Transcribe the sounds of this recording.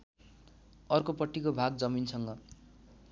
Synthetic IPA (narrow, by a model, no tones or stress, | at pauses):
ʌrkopʌʈʰːikobʱaɡ̚d͡zʌminsʰʌŋɡʌ